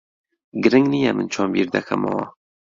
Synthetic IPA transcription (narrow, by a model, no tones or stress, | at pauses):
ɡɨɾɨŋɡnijɛmɨnt͡ʃʰɑːmbiːɾd̪ɛkʰɛma̰wɑ̰